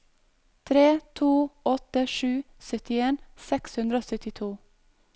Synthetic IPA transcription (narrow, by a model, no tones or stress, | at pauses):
t̪ʰɾeːt̪ʰuːɔt̪əʃʉː | sœt̪ɪeːnsɛkshʉnd̪ɾəoːsœt̪ɪt̪ʰuː